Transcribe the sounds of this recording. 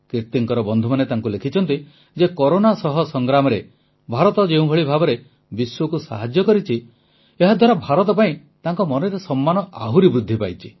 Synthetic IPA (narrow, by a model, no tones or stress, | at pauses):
kiɾt̪iŋkɔɾɔbɔnd̪ʱɔmanet̪aŋkulekʰit͡ʃʰɔnt̪i | d͡ʒekɔɾonasɔɦɔsɔŋɡɾamɔɾe | bʱaɾɔt̪ɔd͡ʒeũbʱɔɭibʱabɔɾe | biswɔkusa̰ɦad͡ʒjɔkɔɾit͡ʃʰi | eɦad̪ʱwaɾabʱaɾɔt̪ɔp̬aĩ | t̪aŋkɔmɔnɔɾesɔmːanɔʔa̰ɦuɾibɾud̪ʱːipajt͡ʃʰi̥